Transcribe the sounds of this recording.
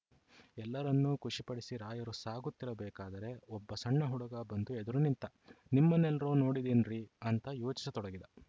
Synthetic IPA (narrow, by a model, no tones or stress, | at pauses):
ɛlːɐɾɐnːukuʂipɐɽisiɾaːjɐɾusaːɡut̪ːiɾɐbɛːkaːd̪ɐɾe̞ɔbːɐsɐɳːɐɦuɽɐɡɐbɐnd̪uɛd̪ɐɾunint̪ɐ | nimːɐnːɛlɐɾoːno̞ːɽid̪eːnɾiɐnt̪ɐjoːt͡ʃi̥sɐt̪ɔɽɐɡid̪ɐ